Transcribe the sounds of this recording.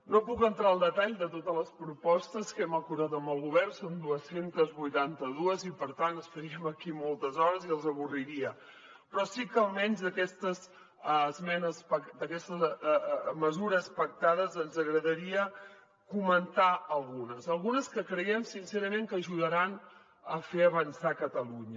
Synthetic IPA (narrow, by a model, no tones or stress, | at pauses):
nopukənt̪ɾaəlˠd̪ət̪aʎd̪ət̪ot̪ələspɾupɔst̪əskɛməkuɾðat̪əmbəlˠɣuβɛrsond̪uəsent̪əzβujt̪ant̪əðuəzipəɾt̪anəsfəɾiəməkimolˠt̪əzɔɾəziəlˠzəβuriɾiə | pɾɔsikəlˠmɛnzðəkɛst̪əs | zmɛnəspəd̪əkɛst̪əz | məzuɾəspək̚t̪að̞əzənzəɣɾəðəɾiə | kumənt̪aəlˠɣunəzəlˠɣunəskəkɾəiɛmsinsɛɾəmeŋkəʒuðəɾan | əfeəβənsakət̪əluɲə